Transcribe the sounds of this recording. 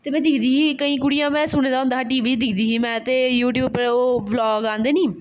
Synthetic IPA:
t̪eːmɛ̃ːd̪ɪkʰd̪iːɦiːkəĩːkʊɽijãːmɛ̃ːsʊɽ̃eːd̪aːɦʊnd̪aːʈiːʋiːd͡ʒd̪ɪkʰd̪iːɦiːmɛ̃ːt̪eːjuːʈ̬juːbpɾoːblɔːɡãːnd̪eːnĩː

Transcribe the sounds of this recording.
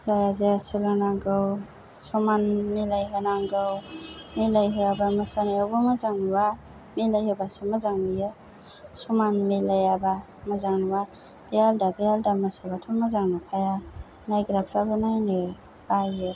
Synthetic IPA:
zajazajasɯlɯnaŋɡɯw | sɔmanmilajɦanaŋɡɯwmilajɦɯjabamasanaabɯmazaŋnuwa | milajhɯbasɯmazaŋnɯjɯ | sɔmanmilajaba | mazaŋnuwa | b̥ealdabejaldamasabatʰumazaŋnɯkʰaja | najɡɾapʰɾabɯnajnɯ | b̥ajɯ

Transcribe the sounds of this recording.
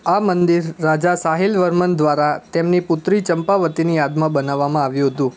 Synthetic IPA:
amənd̪iɾːad͡ʒasaɦilʋəɾmənd̪ʋaɾat̪emnipʊt̪ɾit͡ʃəmpaʋət̪inijad̪mãbənaʋːamãaʋjũɦət̪ũ

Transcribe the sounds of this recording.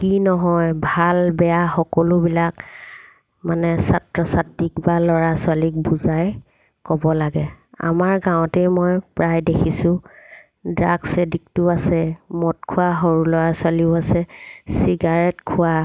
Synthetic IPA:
kinɔɦɔjbʱalbɛjaxɔkɔlʊbilak | manɛsatɹɔsatːikbalɔɹasʊwalik̚buzaj | kɔbɔlaɡɛa̰maɹɡãwʊ̃tejmɔjpɹajdekʰisʊ̃ | dɹaɡsedik̚tʊasɛmɔt̚kʰʊwaɦoɹulɔɹaswaliʊasɛsiɡaɹɛtkʰʊwa

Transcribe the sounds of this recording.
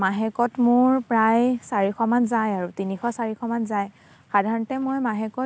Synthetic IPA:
maɦɛkɔtmʊɹpɹajsaɹixɔmanzajaɹutinixɔsaɹixʰɔmanzaj | xadʱaɹɔntɛmɔjmaɦɛkɔ

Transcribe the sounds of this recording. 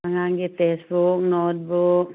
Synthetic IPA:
aŋaŋɡit̪ɛsbuk̚not̪̚buk̚

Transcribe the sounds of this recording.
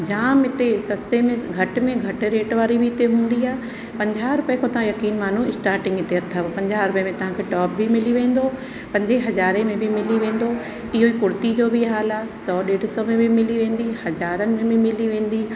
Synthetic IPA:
d͡ʑaːmɪt̪esɐst̪emẽɡʱɐʈmẽɡʱɐʈɾeːʈʋaːɾibʱɪɪt̪eɦũːn̆d̪iaːe | pɐ̃ɲd͡ʑaːɾʊpẽkʰõt̪ɐɦãjɐkiːnmaːn̤uɪsʈaːɾʈɪ̃ŋɡɪt̪eɐt̪ʰːapɐ̃ɲd͡ʑaːɾʊpəemẽt̪ɐɦãkʰeːʈɔːp̚bʱimɪliʋẽːn̆d̪o | pɐ̃ɲd͡ʑeɦɐzaːɾẽmẽbʱimɪliʋẽːn̆d̪o | ɪɦoikʊɾt̪id͡ʑoːbʱiɦaːlaːsɔːɗeːɽ̤ɪsɔmẽbʱimɪliʋẽːnd̪ihɐzaːɾənɪ̆mẽbʱɪmɪliʋẽːn̆d̪iː

